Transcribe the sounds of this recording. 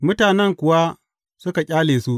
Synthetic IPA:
mʊ˦taː˨nɛ˦ŋkʷʊ˨wa˦ | sʊ˦ka˨kʲʼaː˦leː˨su˦ʔ

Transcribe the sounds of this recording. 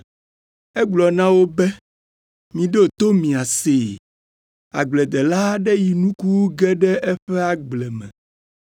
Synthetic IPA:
ɛ˦ɡ͡blɔ˨nã˦wo˦bɛ˦ | mĩ˨ɖe˦˨t̪o˦mĩ˨a˨se˨ | a̰˨ɡ͡blɛ˨d̪ɛ˨la˦ɖɛ˦ji˨nũ˦ku˦ɡɛ˦ɖɛ˦ʔɛ˦ɸɛ˦a˨ɡ͡blɛ˨mɛ̰̃˨

